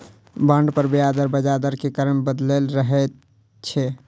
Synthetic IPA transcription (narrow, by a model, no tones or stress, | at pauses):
bəɳɖpəɾbead̪əɾbəd͡ʒad̪əɾkekəɾəmbəd̪lelɾəɦɛt̪ | t͡ʃʰɛ